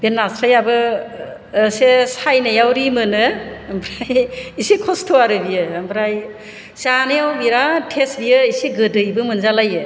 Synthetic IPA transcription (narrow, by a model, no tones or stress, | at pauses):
b̥enːasɾajabɯ | sesajnajawɾimɯnɯːmbʰɾajisikʰɔstʰoaɾɯbijɯːmbʰɾaj | sanɯjawbiɾatʰesbijɯisiɡɯdɯjbɯmɯnzalajɯ